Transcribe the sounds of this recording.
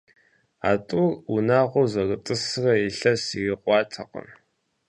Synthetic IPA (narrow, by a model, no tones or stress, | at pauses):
a̰ːtʼʊrunaːʁʷʊzɐrɨtʼɨsɨrɐiɬɐsiɣiqʷɑːtʰɐqə̰n